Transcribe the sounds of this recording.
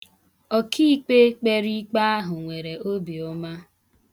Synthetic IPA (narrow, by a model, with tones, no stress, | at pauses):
ɔ˦kʰi˦k͡pe˦k͡pe˦ɾi˦k͡pa˦a˦ɦʊ˨ŋʷe˨ɾe˨o˦bi˨o˦ma˦